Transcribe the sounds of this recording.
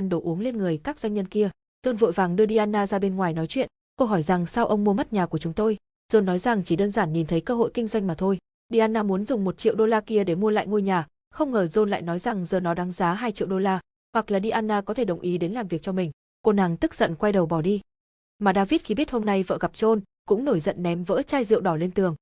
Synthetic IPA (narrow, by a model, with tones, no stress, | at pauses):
a˧nɗo˨˩wʔu˨˦ŋle˧nŋɨ˨˩əjkaː˦˥k̚zwa˧jŋ̟ɲə˧nki˧ə | z̥o˧nvə̰˧˨jvaː˨˩ŋɗɨ˧əɗi˧ʔaː˧nːaː˧zaː˧ɓe˧nŋwaː˨˩jnɔ˨˦jt͡ɕwḭ˧˨ən | kə˧wɦɔ˧˩jza˨˩ŋsa˧wʔə˧wŋ͡mmu˧əmə˦˥t̚ɲaː˨˩ku˧˩ət͡ɕʊ˨˦ŋ͡mt̪o˧j | z̥o˧nːɔ˨˦jza˨˩ŋt͡ɕi˧˩ɗəː˧nzaː˧˩nɲi˨˩nt̪ʰə˨˦jkəː˧ɦo̰˧˨jkï˧ŋzwa˧jŋ̟maː˨˩t̪ʰo˧j | ɗi˧ʔaː˧nːaː˧mu˨˦ənzʊ˨˩ŋ͡mmo˨˩t̚t͡ɕḭ˧˨əwɗo˧laː˧ki˧əɗe˧˩mu˧əla̰ː˧˨jŋo˧jɲaː˨˩ | xə˧wŋ͡mŋəː˨˩zo˧nla̰ː˧˨jnɔ˨˦jza˨˩ŋzəː˨˩nɔ˨˦ɗa˨˦ŋzaː˨˦ɦaː˧jt͡ɕḭ˧˨wɗo˧laː˧ | hwa˨˩k̚laː˨˩ɗi˧ʔaː˧nːaː˧kɔ˨˦t̪ʰe˧˩ɗə˨˩wŋ͡mʔi˨˦ɗe˨˦nlaː˨˩mvi˨˩ək̚t͡ɕɔ˧mï˨˩ŋ̟ | ko˧naː˨˩ŋt̪ɨ˦˥k̚zə̰˧˨nkwa˧jɗə˨˩wɓɔ˧˩ɗi˧ | maː˨˩ɗaː˧vi˦˥t̚xi˧ɓi˦˥t̚ho˧mna˧jvə̰ː˧˨ɣa˨˩p̚t͡ɕo˧n | kʊ̰˧˥ŋ͡mno˧˩jzə̰˧˨nːɛ˨˦mvə̰ː˧˥t͡ɕaː˧jzɨ̰˧˨əwɗɔ˧˩le˧nt̪ɨ˨˩əŋ